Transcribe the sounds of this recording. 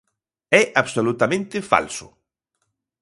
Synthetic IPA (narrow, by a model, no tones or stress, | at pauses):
ɛʔaβsolut̪amẽnt̪ɪfa̰lsʊ̰